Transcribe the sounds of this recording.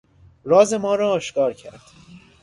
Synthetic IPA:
ɾɒːze̞mɒːɾɒːʃkɒːɾcʰæɾd̪̥

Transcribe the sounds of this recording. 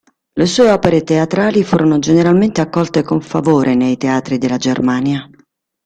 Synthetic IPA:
lesuːeɔːpeɾet̪eat̪ɾaːlifuːɾʔonod͡ʒeneɾalment̪eakːɔlt̪ekoɱfa̰voːɾʔenejt̪eaːt̪ɾid̪elːad͡ʒermaːnja

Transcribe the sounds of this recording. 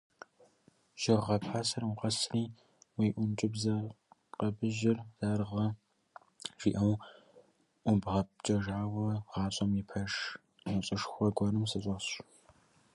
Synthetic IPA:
ʒ̥ɐʁʁɐpʰħaːsɐrwʊqɐsriː | wiːʔʷʊnt͡ʃʼɪbzɐ | qɐbɨʒɪrz̥aːrʁɐ | ʒ̥iːʔɐw | ʔʷʊbʁɐp̚t͡ʃʼɐʒaːwɐʁɑːt͡ʃʼɐmjipʰɐʂ | nɐɕʼɨʂxʷɔɡʷɔnɨmsɨɕʼɐɕ

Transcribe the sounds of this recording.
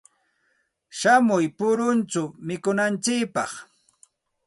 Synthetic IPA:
ʃamʊjpʊɾʊnt͡ʃʊmɪkʊnant͡ʃɪkpɑχ

